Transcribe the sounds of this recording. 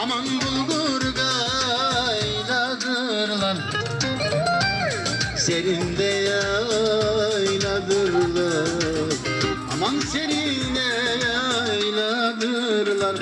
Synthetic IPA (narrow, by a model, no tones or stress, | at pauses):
ɑmɑŋbʊlˠɡuɾɡɑ | j | lɑd̪ɯ | ɾlˠɑn | seɾind̪ɛjɑ | jlˠɑd̪ɯɾlˠɑɾ | ɑmɑnseɾind̪ɛjɑjlˠɑd̪ɯɾlˠɑɾ